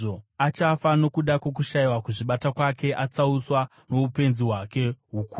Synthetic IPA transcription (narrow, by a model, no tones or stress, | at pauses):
oat͡ʃafano̞kuɗakwo̞k̬uʃaiwakuʐiɓatakwake̞ʔat͡sauswa | no̞upe̞nziɦwake̞ɦuku